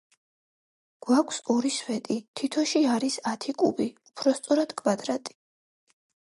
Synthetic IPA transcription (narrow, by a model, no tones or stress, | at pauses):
ɡ̥wakʷʰsɔɾiswɛt̪ʼit̪ʰit̪ʰɔʃiaɾisat̪ʰikʼṵbiupʰɾɔst̪sʼɔɾad̪̥kʰvad̪ɾat̪ʼi̥